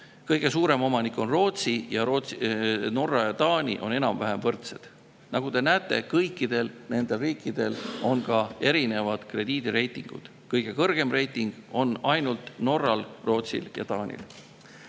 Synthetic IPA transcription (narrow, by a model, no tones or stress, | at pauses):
kɤjɡ̥e̞suːɾe̞mo̞mɑnikːˑo̞nro̞ːt̪sijɑroːno̞rːɑjɑt̪ɑːnʲḭʔo̞ne̞nɑmvæɦemvɤrt̪se̞d̪̥ | nɑɡ̥ud̪e̞næːt̪ːˑe̞kɤjkːˑid̪̥e̞lne̞nd̪e̞lriːkːˑid̪̥e̞lo̞nkɑe̞ɾine̞vɑd̪̥kre̞d̪̥iːd̪̥iɾe̞jt̪ˑiŋɡ̥ṵd̪̥ | kɤjɡ̥e̞kɤrɡ̥e̞mre̞jt̪ːˑiŋɡ̥o̞nɑjnult̪ˑno̞rːɑlro̞ːt̪sḭljɑ̰t̪ɑːnʲḭl